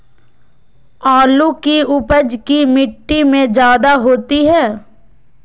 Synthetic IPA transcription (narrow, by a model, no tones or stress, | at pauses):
aːlukiʊpəd͡ʒkimɪʈːimẽd͡ʒjaːd̪aɦoːt̪iɦɛː